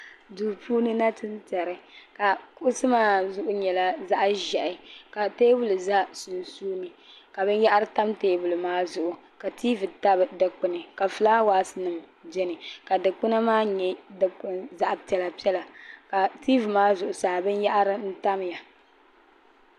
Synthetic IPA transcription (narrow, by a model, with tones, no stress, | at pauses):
duː˨pʰuː˦nɨ˦na˦tɨ˦ntɛ˨ɾɨ˨ka˨kʊ˦ʔʊ˦sɨ˦maː˦zʊ˨ʔʊ˦ɲɛ˨la˦za˦ʔʒɛ˨ʔɪ˨ka˨teː˦bu˦lɨ˨za˦su˨n˨suː˦nɨ˨ | ka˨bɨ˦nja˦ʔa˦ɾɨ˦ta˦mteː˦bu˨lɨ˨maː˦zʊ˨ʔʊ˨ | ka˨tʰiː˦vɨ˨ta˦bɨ˨dɨ˨k͡pɨ˨nɨ˨ka˨fɨ˨laː˦waː˦sɨ˦nɨ˨m | d͡ʒɛ˦nɨ˨ka˨dɨ˨k͡pɨ˦na˦maː˦ɲɛ˦dɨ˨k͡pʊ˨nza˦ʔpi˨ɛ˨la˨pi˦ɛ˦la˨ka˨tiː˦vɨ˨maː˦zʊ˨ʔʊ˨saː˨bɨ˦nja˦ʔa˦ɾɨ˦n̩˦ta˦mja˨